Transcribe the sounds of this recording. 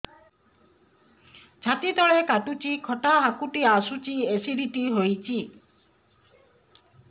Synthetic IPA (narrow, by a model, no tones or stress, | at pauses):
d͡ʒʰʱat̪it̪ɔɭekaʈut͡ʃikʰɔʈaɦakuʈiasut͡ʃiesiɾiʈiɦojt͡ʃʰi